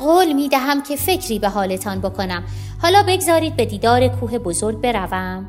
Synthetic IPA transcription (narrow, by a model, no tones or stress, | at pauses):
ɣoːlmiːd̪æɦæmcʰe̞fecʰɾiːbe̞ɦɒːle̞t̪ʰɒnbo̞kʰo̞næm | hɒːlɒːbe̞ɡzɒːɾiːd̪̚be̞d̪iːd̪ɒːɾekʰuːɦebozoɾɡ̚be̞ɾævæm